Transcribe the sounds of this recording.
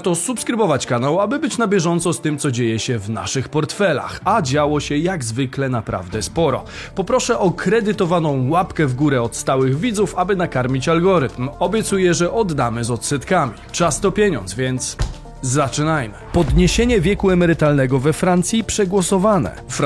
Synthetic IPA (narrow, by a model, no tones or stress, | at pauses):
t̪ɔsupskɾɘbɔvat͡ɕkanawabɘbɘt͡ɕnabʲjɛʐɔnt̪sɔst̪ɘmt̪sɔd͡ʑejɛɕɛvna̰ʂɘxpɔɾt̪fɛla̰xad͡ʑawɔɕɛjaɡzvɘklɛnapɾa̰vd̪ɛspɔɾɔ̰ | pɔpɾɔʂɛʔɔkɾɛd̪ɘt̪ɔvanɔ̃w̃wapkɛvɡuɾɛɔt̪st̪awɘɣvʲid̪zufabɘnakaɾmʲit͡ɕalɡɔɾɘt̪mɔbʲjɛt̪sujɛʐɛʔɔd̪ːamɘzɔt̪sɛt̪kamʲit͡ʂast̪ɔpʲjeɲɔ̰nzvʲjɛnt̪s | zat͡ʂɘnajmɘpɔd̪ɲeɕeɲɛvʲjɛkuɛmɛɾɘt̪alnɛɡɔvɛfɾant̪sʲjipʂɛɡwɔsɔvanɛ̰f